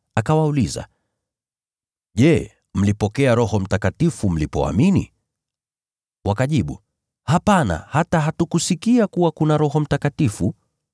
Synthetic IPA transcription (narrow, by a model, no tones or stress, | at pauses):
akawauliza̰ | ʄɛ | m̩lipɔkɛaɾɔhɔm̩takatifum̩lipɔ̰a̰minḭ | wakaʄiɓṵ | hapana̰hataɦatukusikiakuwakunaɾɔɦɔm̩takatifu